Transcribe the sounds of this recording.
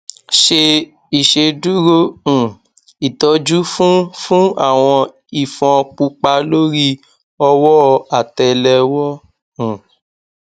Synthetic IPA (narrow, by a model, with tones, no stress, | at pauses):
ʃe˧ | i˨ʃe˧du˦ɾo˦ũ˨ | i˨tɔ˨˦d͡ʒu˦fũ˦fũ˦a˦˨w̃ɔ̃˧ | i˨fɔ̃˧k͡pu˧k͡pa˧lo˦ɾi˦ | ɔ˧wɔ˦˧a˨tɛ˨lɛ˧wɔ˦ | ũ˨